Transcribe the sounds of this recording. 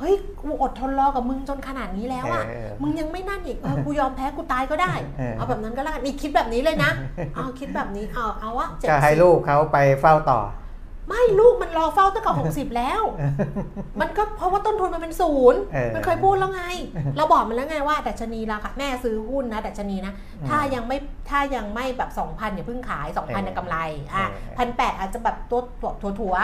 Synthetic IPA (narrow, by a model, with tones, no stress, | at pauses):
hɤ˦˥˩jkʰuː˧ʔo˨˩t̪ʰːo˧nlɔː˧ka˨˩mɯ˧ŋt͡ɕo˧nkʰa˧naː˨˩t̪̚niː˦˥lɛː˦˥wʔa˨˩ | mɯ˧ŋja˧ŋma˥˩jna˥˩nʔiː˨˩ʔɤː˧kuː˧jɔː˧mpʰɛː˦˥kuː˧t̪aː˧jkɔː˥˩daː˥˩ja˧˩bɛː˨˩na˦˥nkɔː˥˩aː˥˩ka˥˩ʔi˨˧˩kʰi˦˥bɛː˨˩p̚niː˦˥lɤː˧jna˦˥ʔa˧wkʰi˦˥t̪̚bɛː˨˩p̚niː˦˥ʔaː˧˩ʔa˧˩wʔa˧˩t͡ɕe˨a˩˧˩ɦa˥˩jluː˥˩kʰːa˦˥wpa˧jfa˥˩wt̪ɔ̰ː˨˩ | ma˥˩jluː˥˩k̚ma˧nlɔː˧fa˥˩wt̪a˥˩ka˨˩so˨˩˦ksi˨˩p̚lɛː˦˥w | ma˧nkɔː˥˩pʰɾɔ˧˦˥waː˥˩t̪o˥˩nt̪ʰu˧nma˧npe˧nsuː˨˩˦na˧nkʰɤː˧jpʰuː˥˩t̪̚lɛː˦˥wŋa˧jlɛː˧˥wbɔː˨˩k̚m˧nlɛː˦˥˩ŋaː˧jwaː˥˩da˨˩t̪̚t͡ɕʰa˧niː˧laː˨˧˩kʰa˥˩nɛː˥˩sɯː˦˥hu˥˩nːa˦˥da˨˩t̪̚t͡ɕʰniː˧na˦˥ | t̪ʰaː˥˩ja˧ŋma˥˩jt̪ʰaː˥˩ja˧ŋma˥˩jbɛː˨˩p̚sɔ˩˦ŋpʰa˧nːa˨˩pʰɯ˥˩ŋkʰaː˩˦jsɔː˩˦ŋkʰa˧nja˨˩ka˧mla˧jʔa˧˩pʰa˧npɛː˨˩t̪ʔaː˨˩t̪̚t͡ɕa˨˩bɛː˨˩p̚t̪u˧t̪ʰt̪ʰu˨˩˦t̪ʰu˨˩˦ɐ